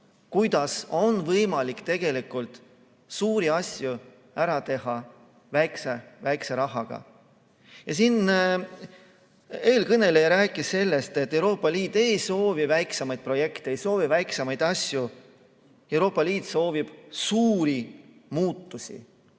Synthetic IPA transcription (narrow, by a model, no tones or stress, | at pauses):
kujd̪̥ɑso̞nvɤjmɑlikt̪e̞ɡ̥e̞likˑult̪ | suːɾiɑsʲju | æɾɑt̪e̞ɦɑ | væjksevæjkse̞ɾɑɦɑɡ̥ɑ̰ | jɑsin | e̞ːlkɤne̞lejɑɾæːkːˑisse̞lːe̞st̪et̪ːˑe̞wɾo̞ːpˑːɑliːt̪ːˑe̞jso̞ːvivæjksemɑjd̪̥̚pro̞je̞kt̪eejso̞ːvivæjksemɑjd̪̥ɑsju | e̞wɾo̞ːpˑːɑliːt̪so̞ːvib̥suːɾimuːt̪ˑːusʲḭ